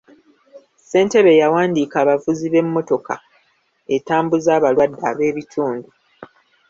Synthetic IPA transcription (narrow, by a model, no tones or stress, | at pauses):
se̞ːnte̞βe̞jawaːndiːkaːβavuziβe̞mːo̞to̞ka̰ | e̞taːmbuzaːβalwadːaβe̞ːβitʰuːndu